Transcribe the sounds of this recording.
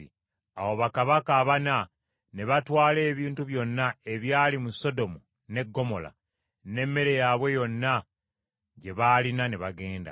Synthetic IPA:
i | awo̞βakaβakaːβana | ne̞βatwaːle̞ːβiːntuβjo̞nːae̞βjaːlimuso̞do̞mu | ne̞ɡːo̞mo̞la̰ | ne̞mːe̞ɾe̞jaβwe̞jo̞nːa | ɟe̞βaːlinaneβaɡe̞ːnda̰

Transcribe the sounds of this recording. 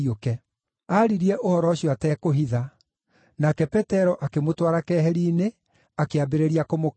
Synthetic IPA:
okɛ | aɾiɾiɛʔohɔɾɔɕjɔatɛːkoɦiða | nakɛpɛtɛɾɔʔakemotwaɾakɛɦɛɾiːne | akeabeɾeɾiakomo

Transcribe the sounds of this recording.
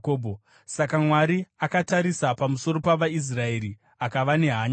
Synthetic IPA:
koːbʱo | sakamwaɾiakataɾisapamuso̞ɾo̞paʋais̬rae̞ɾi | akaʋane̞ɦaːɲ

